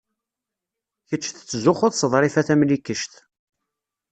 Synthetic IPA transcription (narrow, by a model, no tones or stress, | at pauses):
çət͡ʃːθt͡sːəzʊχʊðˤsəðˤɾˤifæθæmlikːəʃt̪